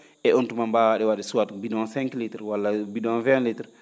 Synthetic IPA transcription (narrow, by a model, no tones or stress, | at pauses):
ɛontumambaːwaɗɛwaɗɛsuwatbidɔ̃sɛ̃ŋklitɾwalːabidɔ̃vɛ̃litɾ